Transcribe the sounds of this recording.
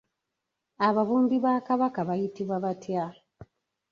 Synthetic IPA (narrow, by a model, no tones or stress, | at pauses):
aβaβuːmbiβakaβakaβajitiβwaβatja